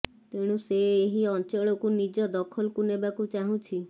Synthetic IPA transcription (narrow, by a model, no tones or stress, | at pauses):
t̪eɽ̃ũseːɦiɔnt͡ʃɔɭɔkunid͡ʒɔd̪ɔkʰɔlkunebakut͡ʃaɦũt͡ʃʰi